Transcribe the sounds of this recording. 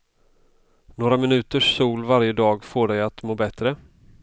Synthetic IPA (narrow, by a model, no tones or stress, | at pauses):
noːɾamɪnʉ̟ːt̪əʂːuːlvaɾjəd̪ɑːɡfoːɖɛjat̪moːbɛt̪ɾə